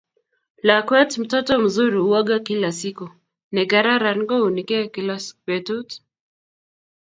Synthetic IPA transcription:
lakwɛtm̩tɔtɔm̩zuɾiuaɡakilasiku | nɛkaɾaɾaɾɡɔunikɛkilaswɛtut

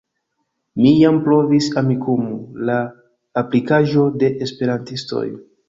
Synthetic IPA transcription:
mijampɾo̞visamikumulaː | plikaʒo̞de̞ʔespe̞ɾantisto̞̰j

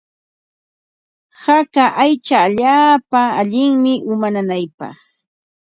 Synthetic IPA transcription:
hakaʔajt͡ʃaːʎaːpaːʎɪŋmɪʔʊmananajpɑ̰χ

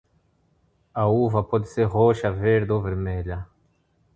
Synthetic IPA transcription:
auːvɐpɔd̪ɪseɾʁoʃɐveɾd̪oveɾmeʎɐ

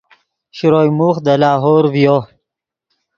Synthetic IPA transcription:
ɕɾoːjmuːxd̪əlɑːɦoːɾwjo

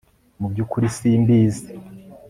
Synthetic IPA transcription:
mubɟuːkuɾisiːmbiːzi̥

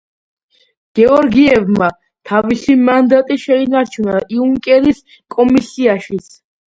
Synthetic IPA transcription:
ɡ̥ɛɔɾɡiɛvma | t̪ʰavisimand̪at̪ʼiʃɛinaɾt͡ʃʰunaiuŋkʼɛɾis | kʼɔmisiaʃit̪sʰ

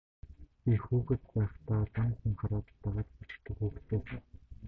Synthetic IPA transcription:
pixuːɣɘ̆t̪pæːχt̪aːt͡saŋxŭŋχaɾaːt̪ːaʁaːt̪pu̥t͡ɕ̆kt̪ːɘ̆kuːkt̪ʰeː

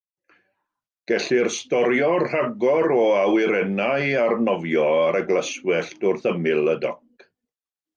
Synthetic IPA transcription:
ɡ̥ɛɬɪrstɔɾjɔrr̥aɡɔɾɔawɪɾɛnajarnɔvjɔaɾəɡlˠəswɛɬtʊrθəmɪlˠədɔk̚

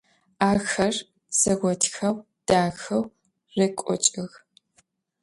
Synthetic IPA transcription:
aːxɐr | sɐɣʷɔtʰxɐw | d̥aːxɐw | rɐkʷʼɔ̰t͡ʃʼɪɣ

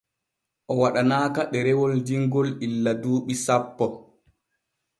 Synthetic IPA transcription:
ʔɔwaɗanaːkaɗɛɾɛwɔld͡ʒiŋɡɔlilːaduːɓisapːɔ

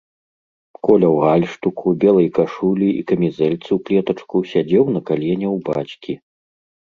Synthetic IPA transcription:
kɔlʲɐwɣalʲʂt̪ukubʲɛlˠɐjkaʂulʲiḭkɐmʲizɛlʲt̪sɨwklʲɛt̪ɐt͡ʂkusʲad͡zʲɛwnɐkalʲɛnʲɛwbat͡ɕʲkʲi

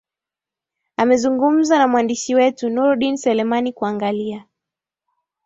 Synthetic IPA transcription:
amɛzuŋɡum̩zanamwandiʃiwɛtunuɾɗinsɛlɛmanikuaŋɡalia

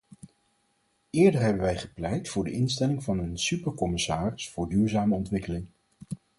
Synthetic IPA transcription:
ɪːɹdəɹɦɛbənʋɛjχə̥plɛjtfʊːɹdəʔɪnstɛlɪŋvɑnənsypəɹkɔmɪsaːrɪsfʊːɹdyːɹzaːməɔntʋɪkəlɪŋ

